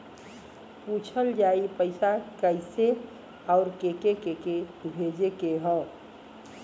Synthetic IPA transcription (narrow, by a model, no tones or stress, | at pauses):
put͡ʃʰəld͡ʒaːipəɪsakəɪse | ɔʊɾkekekekebʱed͡ʒekeɦɔ̃